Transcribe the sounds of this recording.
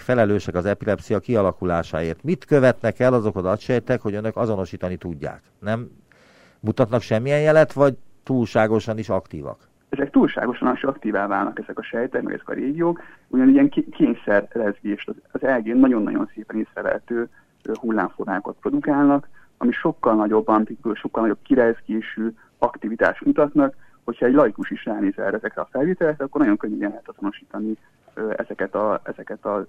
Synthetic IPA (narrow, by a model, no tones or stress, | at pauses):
fɛlɛløːʃɛkɒzɛpilɛpsijɒkiɒlɒkulaːʃa̰ːeːrt̪mit̪køvɛt̪nɛkɛlːɒzo̞kɒd̪ɒt̪ʃɛjt̪ɛkho̞ɟønøkɒzo̞no̞ʃiːt̪ɒnit̪uɟːa̰ːk | nɛmː | ut̪ɒt̪nɒkʃɛmːijɛnjɛlɛt̪ʋɒɟt̪uːlʃaːɡo̞ʃɒniʃɒkt̪ḭːvɒ̰k | ɛzɛk̚t̪uːlʃa̰ːɡo̞ʃɒniʃɒkt̪iːvaːva̰ːlnɒ̰kɛzɛkɒʃɛjt̪ɛkmɛ̰ɡɛ̰zɛkɒ̰ɾeːɡijoːkuɟɒniɛŋkkeːɲsɛrlɛzɡeːʃt̪ɒzɒzɛlɡeːnːɒɟo̞nːɒ̰ɟo̞̰nseːpɛneːsrɛvɛ̰ɛt̪øː | hulːa̰ːɱformaːkot̪̚pro̞d̪ukaːlnɒk | ɒ̰miʃo̞kːɒlnɒɟo̞bːɒnpiyʃo̞kːɒlnɒɟo̞p̚kiɾɛzɡeːʃy | ɒkt̪ivit̪a̰ːʃt̪mut̪ɒt̪nɒk | ho̞cʰhɒɛɟlɒjikuʃiʃraːneːzɛ̰rɛzɛkrɛɒfɛlveːt̪ɛlɛkɾɛɒkːornɒɟjo̞ŋkøɲːɛbɛnlɛɦɛt̪ɒz̥o̞no̞ʃiːt̪ɒni | øɛ̰zɛkɛt̪ɒɛzɛkɛt̪ɒ